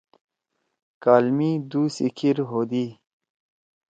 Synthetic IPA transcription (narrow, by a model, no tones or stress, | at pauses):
kaːlmid̪usikʰiɾɦoːd̪i